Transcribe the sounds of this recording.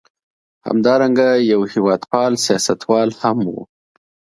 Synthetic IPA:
ha̰md̪ɑɾaŋɡajawhɪwɑd̪pɑlsijɑsat̪wɑlhamwṵ

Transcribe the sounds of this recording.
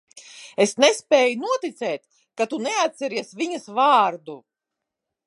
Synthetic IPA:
esnɛspɛːjunuɔt̪it̪sɛːt̪ʲ | kat̪unɛat̪ʲsɛɾiɛsvʲiɲɐsvaːɾd̪u

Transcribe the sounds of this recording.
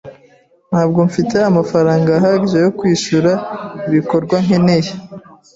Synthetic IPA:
n̥haːb̚ɡo̞ɱfite̞amafaɾaːŋɡaːɦaɟiʒe̞jo̞kwiːʃuɾaiβiko̞ɾɡwaŋ̥hene̞je

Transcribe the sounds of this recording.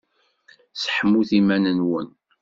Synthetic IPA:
sə̥ħəmːuθimænənwən

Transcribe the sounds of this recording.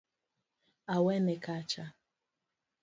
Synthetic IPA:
awɛnekat͡ʃa

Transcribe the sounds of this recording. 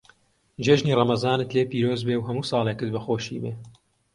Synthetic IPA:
d͡ʒeːʒniːrɑmɐzɑːnɨt̪leːpiːɾoːzbewɦɐmuːsɑːlˠekɨt̪̚bɐxoːʃḭːbeː

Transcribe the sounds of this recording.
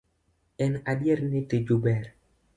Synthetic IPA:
ɛnadjɛɾnɪted͡ʒubɛɾ

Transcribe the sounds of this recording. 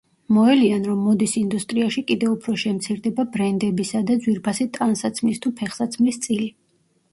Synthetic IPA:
mɔɛlianɾɔmːɔd̪isind̪ust̪ʼɾiaʃikʼid̪ɛupʰɾɔʃɛmt̪sʰiɾd̪ɛbabɾɛnd̪ɛbisad̪ad̪zwiɾpʰasit̪ʼansat̪sʰmist̪ʰupʰɛχsat̪sʰmist̪sʼili

